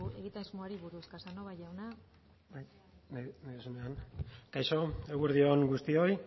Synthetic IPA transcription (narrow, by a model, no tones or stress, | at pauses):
ue̞ɣit̪anzmuaɾiβuɾuskasanoβajawna | baj | nnajðusuneankajʃo̞eɣeɾðio̞ŋɡust̪io̞j